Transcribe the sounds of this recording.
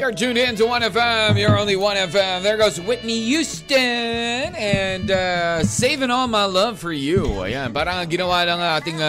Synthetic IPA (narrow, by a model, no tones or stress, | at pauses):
jə˞d͡ʒʉ̃ndɨɪ̃ntɨwʌ̃nɛfɛ̃mjə˞õʊ̃nliwʌ̃ñɛfɛ̃mðə˞ɡoʊzwɪðmijʉstɨnɨ̃nʌseɪvɪ̃nɔlˠmaɪlʌv̥fə˞jʉ̰jæ̰bʌɾãjɨñoʊaɪɾãŋaɪθɪ̃ŋk